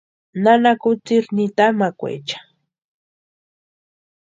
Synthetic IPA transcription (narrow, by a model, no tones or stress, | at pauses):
nanakʊt͡siɾnit̪amakʷḛt͡ʃḁ